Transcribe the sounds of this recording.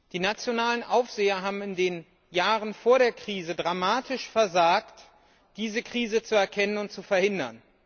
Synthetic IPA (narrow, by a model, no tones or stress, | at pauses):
d̥iːnat͡sjonaːlənʔaʊfz̥eːɐɦaːbm̩ɪndeːn | jaːʁənfoːɐɾeːɐkʁ̥iːzədʁamaːtʰɪʃfɛɐzaːkt | d̥iːzəkʁ̥iːzət͡suɛɐkʰɛnənʊntt͡sufɛɐhɪndɐ̰n